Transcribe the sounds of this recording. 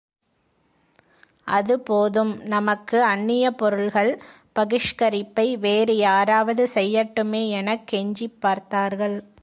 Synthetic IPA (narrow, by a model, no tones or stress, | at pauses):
ʔɐðɯpoːðɯmnɐmɐkːɯɐnːɪjɐpɔɾɯɭɣɐɭ | pɐɣɪʂkɐɾɪpːɐɪʋeːɾɯjaːɾaːʋɐðɯsɛjːɐʈːɯmeːɛnɐkːɛɲd͡ʒipːaːɾt̪aːɾɣɐɭ